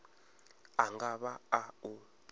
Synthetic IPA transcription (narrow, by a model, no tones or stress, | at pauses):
aŋɡaɓaau